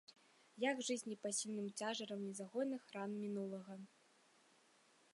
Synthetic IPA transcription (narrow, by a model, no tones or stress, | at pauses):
jaɡʐɨzʲnʲipasʲilʲnɨmt͡sʲaʐɐɾɐmnʲɛzaɣɔnɨxɾanmʲinulˠɐɣɐ